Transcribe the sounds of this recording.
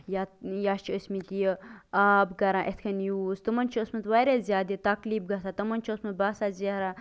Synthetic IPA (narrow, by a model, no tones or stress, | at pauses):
jajaːʃt͡ʃʰiosʲmit̪ijəaːbɡɐɾãːʔet̪ʰkʰɐnjuːzt̪ɨmɐnt͡ʃʰiosmɐt̪ʋaɾezʲjaːd̪it̪ɐkliːbɡɐt̪ʰaːt̪ɐmɐnʲt͡ʃʰosmɐt̪̚baːsaːzeɦɾa